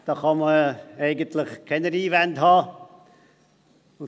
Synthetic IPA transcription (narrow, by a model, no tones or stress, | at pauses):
d̥ɑːχɑməɛɪɡəntlɪχkʰɛnəɾiːvændhɑː